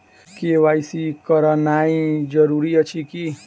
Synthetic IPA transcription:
keʋajsikəɾənaid͡ʒəɾuɾiət͡ʃʰiki

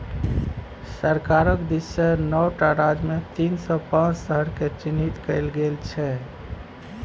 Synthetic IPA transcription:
səɾkaɾəkd̪isːənɔwʈaɾad͡ʒmet̪insɔpãt͡ʃsəɦəɾket͡ʃinɦit̪kəɪlɡelt͡ʃʰɛ

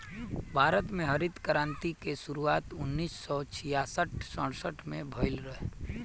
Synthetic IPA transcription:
bʱaːɾət̪mẽɦəɾɪd̪kəɾãːnt̪ikeʃʊɾuaːt̪ʊnːiːsːɔt͡ʃʰijaːsəʈʰsə̃ɽsəʈʰmẽbʱəɪlɾəɦe

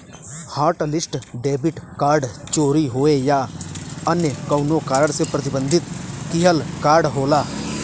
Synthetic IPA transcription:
haːɾʈlɪsʈɖeːbɪʈkaːɾɖt͡ʃoːɾiɦoːejaːənjəkɐʊnokaːɾəɽsepɾɐt̪ɪbə̃nd̪ʱɪt̪kɪɦəlkaːɾɖɦoːlaː

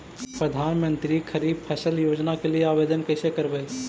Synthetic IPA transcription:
pɾəd̪ʱaːnmə̃nt̪ɾikʰəɾiːb̚pʰəsəljoːd͡ʒnakelieabed̪ənkəɪsekəɾbəj

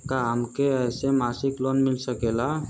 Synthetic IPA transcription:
kaɦəmkeəjsemasiklonmilsəkela

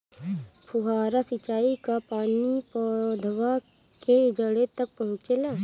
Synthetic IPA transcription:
pʰʊɦaːɾasɪt͡ʃaːikapaːnipɔd̪ʱʋa | ked͡ʒəɽet̪ɐk̚pɐɦʊ̃t͡ʃelaː

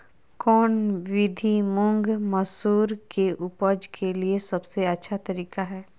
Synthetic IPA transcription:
kɔːnʋɪd̪ʱimʊ̃ŋɡmɐsuːɾkeʔʊpəd͡ʒkʰeliesɐbseɐtːʃʰat̪ɐɾiːkaɦɛː

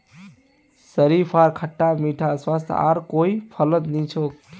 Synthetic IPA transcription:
səɾipʰaɾkʰəʈːamiʈʰaswast̪ʰa̰ɾkoipʰələt̪nit͡ʃʰok̚

